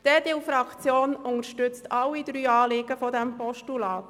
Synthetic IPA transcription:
d̥ɛd̥ɪlfɾɑkt͡sjoːnʊŋəʃtʏt͡stʰɑwid̥̪ɾyːɑːlɪɡ̥əfɔdɛmpɔʃtulɑːt

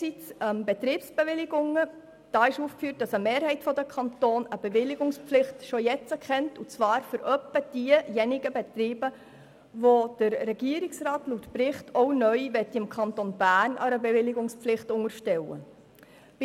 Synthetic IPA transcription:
sit͡smbɛt̪ɾiːpsb̥eʋɪlɪɡʊŋːə | d̥ɑːɪʃuːfkfyːt̚d̥ɑsəmeːɾhɛɪtfɔdəkʰɑnt̪oːnəb̥eʋɪlɪɡʊŋspflɪχtʃojɛt͡səkχɛntut͡svɑːɾfʏɾʔœpːəd̥iəjɛnɪɡ̥əbɛt̪ɾiːbə | ʋod̥əɾːɛɡ̥iəɾɪksɾɑːtluːtpɾɪχtʰɔʊnœʏʋɛtːɪmkʰɑnt̪onb̥æːrnʔɑ̰ɾəbevɪlɪɡʊŋspflɪχtʊŋəɾʃtɛwə̰

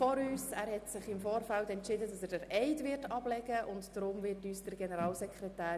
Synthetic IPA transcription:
fɔɾyːsæːɾhɛtsɪχɪmfoːɾfæltɛntt͡ʃɪdədɑsəɾdəɾʔɛɪdʋɪɾtɑb̥lɛɡ̥əʔʊntd̥ɾʊmvɪɾtyːsd̥əɾɡɛnəɾɑːlsɛkʰrɛtæː

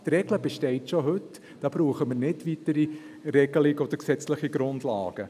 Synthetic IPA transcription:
t̪ɾɛɡləb̥ɛʃtɛɪtʃoɦɵt | d̥ɑːb̥ɾuːχəməɾnɪdʋitəɾi | ɾɛɡəlɪɡɔd̥̪əɾksɛt͡sləχiɡɾʊndlɑ̰ːɡ̥ə

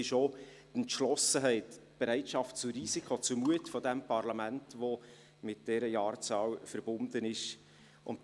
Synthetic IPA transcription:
ɪʃo | əntʃlɔsəɦɛɪtb̥ɛɾɛɪtʃɑft̚t͡sʊriːsikʰot͡sʊmuətfɔdɛmpʰɑrlɑmæntʋo | mɪt̚d̥ɛːɾəjɑːrt͡sɑːwfəɾbʊndənɪʃ | ʔʊnt

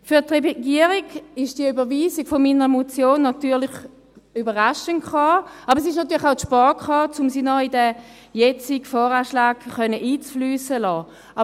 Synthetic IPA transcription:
fyɐtʁɛɡiəʁɪɡɪʃd̥iəybəviːsɪɡ̥fominəʁəmot͡sjoːnːɑt̪yːɐlɪχ | ybəʁaʃəntkχɑːɑbʁɛsɪʃ̬nɑt̪yːɐlɪχaʊtʃpɑːkχɑːt͡sʊmsiːnɔidə | jɛt͡sɪɡfɔːʁaːʃlaːɡχœnəʔiːt͡sflyːsəlɔː | ʔɑ

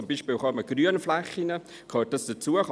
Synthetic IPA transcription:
ʊmbiːʃpiːlχɑməɡ̥ryənflɛχːinə | kʰøːt̚d̥ɑsd̥ət͡suəχ

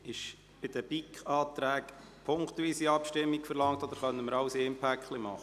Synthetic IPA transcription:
ɪʃ | b̥ɪd̥̪əb̥ikχɑːt̪ɾæːk | pʰoŋkt̪ʋiːsiɑpʃtɪmːikfɛɾlɑŋt̪ɔd̪əɾχœnəməɾɑʊseːmpʰækχlimɑχə

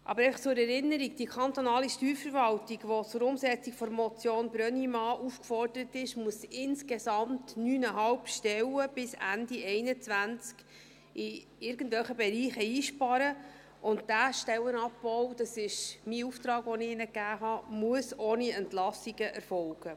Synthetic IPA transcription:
ʔɑ̰bəɾɛɪɑχt͡sʊːɾɛɾɪnːəɾiɡ̚d̥iəkʰɑnt̪ɔnɑːliʃtyːɾfəɾvɑltiɡʋɔt͡sʊɾʊmsɛt͡sikfɔɾmɔt͡sjoːnbɾœnimɑːʔufkfɔrdəɾətɪʃmuəsɪnskesɑmtnyːnəɦɑlpʃtɛwəb̥ɪsæ̰ndiɛɪnət͡sʋænt͡sk | ɪ | ɪɾɡ̥ən̩tvʋɛlχəbɛɾiːχəiːʃpɑɾə | ʔʊnt̚d̥æʃtɛwənɑpːɔwd̥ɑsɪʃmiuft̪ɾɑːɡʋɔnɪɪnəkːæːɦɑmuəsoːniɛntlɑsiɡ̥əʔɛɾfɔlɡ̥ə

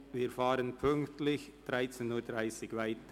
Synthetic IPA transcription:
viːɾfaːɾənpʰʏŋktlɪçd̥ʁaɪt͡senuːdʁaɪsɪɡvaɪt

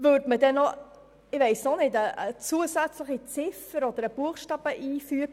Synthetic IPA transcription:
vøːɾdmədɛnɔ | ɪʋɛɪsnonedəət͡suəsæt͡sləχit͡sɪfəɾɔd̪əɾəb̥uəχʃtɑːb̥əʔiːfyək̚

